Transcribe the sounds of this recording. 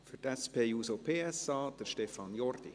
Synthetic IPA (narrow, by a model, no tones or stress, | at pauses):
fyɾtɛspʰeːjuːsopʰeːɛsɑːd̪̥əɾʃtɛfɑnjɔrd̥ḭ